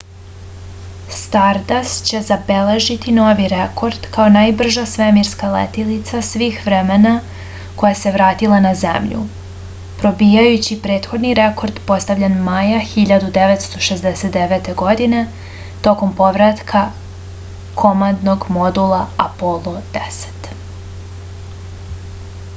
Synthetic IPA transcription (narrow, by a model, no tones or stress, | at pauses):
st̪aɾd̪ast͡ɕe̞zabele̞ʒit̪ino̞ʋiɾekʰo̞ɾd̪̥kaonajbr̩ʒasʋemiɾskalḛt̪ilit̪sasʋiːxʋɾemena | ko̞jase̞ʋɾaːt̪ilˠanazḛmʎṵ | pɾo̞biːjajut͡ɕipɾe̞ːt̪xo̞d̪niɾeko̞ɾd̪po̞st̪aʋʎanmajaxiʎad̪ud̪eʋet̪st̪o̞ʃezd̪eset̪d̪eʋet̪e̞ɡo̞d̪ine̞ | t̪o̞ko̞mpo̞ʋɾat̪kʰa | kʰo̞mand̪no̞ɡmo̞d̪ulˠaapolˠod̪̥ese̥t̪